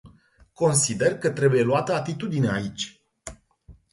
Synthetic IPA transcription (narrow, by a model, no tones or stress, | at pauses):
ko̞nsid̪e̞rkət̪ɾe̞buje̞luat̪əat̪it̪ud̪ineait͡ʃʲ